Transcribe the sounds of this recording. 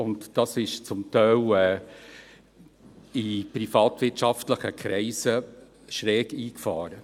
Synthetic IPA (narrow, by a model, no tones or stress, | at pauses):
ʊntd̥ɑsɪʃt͡sʊmtɛɪlɛː | ipɾifɑːtʋɪtʃɑftləχəkʰɾɛɪsə | ʃɾɛːɡiːkfɑːɾə